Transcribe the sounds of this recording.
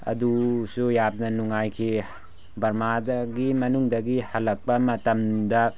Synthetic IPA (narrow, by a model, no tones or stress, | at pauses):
ɐ̰dusujap̚nɐnuŋajkʰi | bɐɾmadɐɡimɐnuŋdɐɡihɐlːɐk̚pɐmɐtɐmdɐ